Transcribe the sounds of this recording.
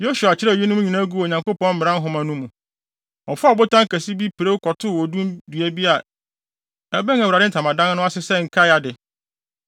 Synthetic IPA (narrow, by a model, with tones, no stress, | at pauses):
jo˦su˨a˨t͡ɕʰɪ˦ɾɛ˦˨ji˦nʊ̃˦m̃˦ɲĩ˨nã˦ɡu˦o˨ɲã˨ŋko˦pɔ̃˦nm̩˦ɪ̃˨ɾã˦ɦʊ̃˨mã˨nũ˦mũ˨ | ɔ˨fʊ˦a˨bʊ˦tʰã˦ŋ˨kæ˨si˦bi˦pʰɪ˨ɾe˦kʰɔ˨tʰʊ˦˨wɔ˨dũ˦mdɥæ˦bi˦a˨ | æ˨bɛ˦ŋ˦a˨u˨ɾa˨dɪ˦n̩˨tʰã˨mã˨dã˦n˦nʊ̃˦a˦sɪ˦sɛ˦ŋ̩˨kʰa˦ja˨dɪ˨